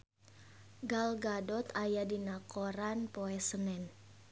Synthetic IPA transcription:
ɡalɡadɔt̪ajadinakɔɾanpɔɛsənɛn

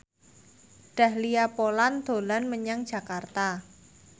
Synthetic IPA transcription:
ɖ̥a̤hliapoland̪̥o̤lanməɲaŋd̥ʒ̥a̤kart̪a

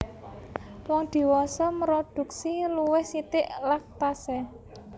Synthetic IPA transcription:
wɔŋd̪̥i̤wɔsɔməɾod̪̥ṳk̚siluwɪhsit̪ɪʔlak̚t̪asɛ

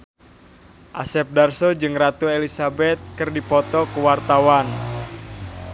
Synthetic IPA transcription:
ʔa̰sɛp̚darsɔd͡ʒɨŋrat̪uelisabɛt̪̚kɨrdipɔt̪ɔkuwart̪awan

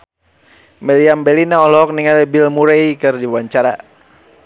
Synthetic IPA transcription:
mɛliambɛlinaɔlɔɔk̚niŋalɛbilmuɾeikɨrdiwwaɲt͡ʃaɾa

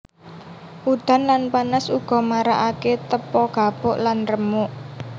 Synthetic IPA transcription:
ʔud̪̥a̤nlanpanasuɡ̥ɔ̤maɾa̰ʔaket̪əpɔɡ̥a̤pʊʔlanrəmʊʔ

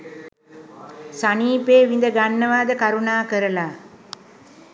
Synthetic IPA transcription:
saniːpeːʋind̪əɡanːəʋaːd̪əkaɾunaːkəɾəlaː

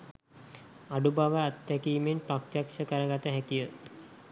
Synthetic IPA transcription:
aɖubaʋəat̪ːækiːmenprakt̪jakʃəkəɾəɡat̪əɦækijə

